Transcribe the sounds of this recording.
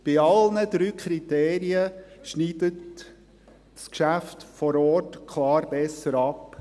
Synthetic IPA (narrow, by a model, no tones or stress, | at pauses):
b̥ɪɑlnəd̪̥ɾyːkʰɾiteːɾiəʃniːd̥ət | skʃæftfɔɾɔːtkʰlɑːɾb̥ɛsːəɾɑp